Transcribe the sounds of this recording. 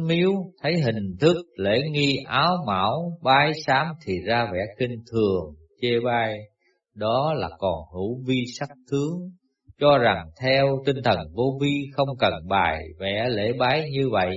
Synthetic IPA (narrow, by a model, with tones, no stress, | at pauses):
mi˨˦əwt̪ʰə˨˦jɦï˨˩ŋ̟t̪ʰɨ˦˥k̚lḛ˧˥ŋi˧ʔaː˨˦wma̰ː˧˩wɓaː˨˦jsaː˨˦mt̪ʰi˨˩zaː˧vɛ̰˧˩xi˧ŋ̟t̪ʰɨ˨˩əŋ | t͡ɕe˧ɓaː˧j | ɗɔ˨˦laː˨˩kɔ˨˩nɦu˧˥vi˧sa˦˥k̚t̪ʰɨ˨˦əŋ | t͡ɕɔ˧za˨˩ŋt̪ʰɛ˧wt̪ï˧ŋ̟t̪ʰə˨˩nvo˧vi˧xə˧wŋ͡mkə˨˩nɓaː˨˩jvɛ̰˧˥lḛ˧˥ɓaː˨˦jɲɨ˧və̰˧˨jʔ